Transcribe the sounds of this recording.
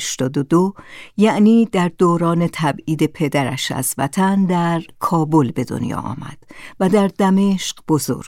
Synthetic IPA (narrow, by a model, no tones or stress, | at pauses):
ʃt̪ɒːd̪od̪ojæʔniːd̪æɾd̪oːɾɒːne̞t̪ʰæbiːd̪e̞pʰe̞d̪æɾæ̰ʃæ̰zvæ̰t̪ʰænd̪æɾkʰɒːbolbe̞d̪o̞̰njɒ̰ːʔɒ̰ːmæ̰d̪̥væd̪æɾd̪æme̞ʃqb̥ozo̰ɾɡ